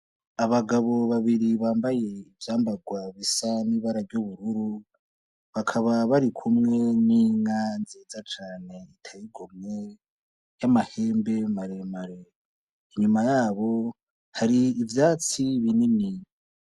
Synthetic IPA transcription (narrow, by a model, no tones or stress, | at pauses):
aβaɡaβo̞βaβiɾiβaːmbaje̞ivjaːmbaɡwaβisaniβaɾaɾɟoβuɾuɾu | βakʰaβaβaɾikʰumŋe̞niŋanziːzat͡ʃaːne̞itʰajiɡomŋe̞ | jamahe̞ːmbe̞maɾe̞maɾe | iɲumajaːβo̞ | haɾiːvjaːt͡siβinimi